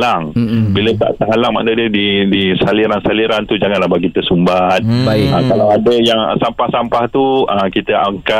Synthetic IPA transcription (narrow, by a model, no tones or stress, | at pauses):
laŋbilət̪a̰ʔt̪aɦalaŋma̰ʔndədədidisaliɾansaliɾant̪ud͡ʒaŋanlahbaɡit̪əsumbat̪̚baiʔəkalawadəjaŋ̰sampahsampaht̪uəkit̪əʔaŋka